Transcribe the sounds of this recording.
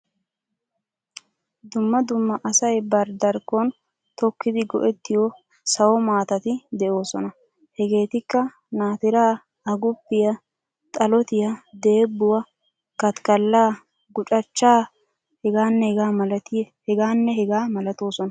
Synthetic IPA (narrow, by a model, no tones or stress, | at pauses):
d̪ʊmːɐd̪ʊmːɐʔɐsɐjbɐɾd̪ɐɾkːɔn | t̪ɔkːɪd̪ɪɡɔ̰ʔɛt̪ːɪjɔ | sɐwɔmaːt̪ɐt̪ɪd̪ɛʔo̞ːsɔnɐ | hɛɡe̞ːt̪ɪkːɐ | naːt̪ɪɾaː | ɐɡʊpːɪjɐ | t̪ʼɐlɔt̪ɪjɐd̪e̞ːbːʊwɐ | kɐt̪kɐlːaː | ɡʊt͡ʃʼɐt͡ʃːaː | hɛɡaːnːɛhɛɡaːmɐlɐt̪ɪhɛɡaːnːɛhɛɡaːmɐlɐt̪o̞ːsɔnɐ